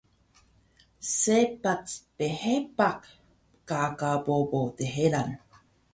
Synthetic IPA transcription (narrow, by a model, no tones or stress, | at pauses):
sepat͡spehepak | pkakapopot̪eɦeɾan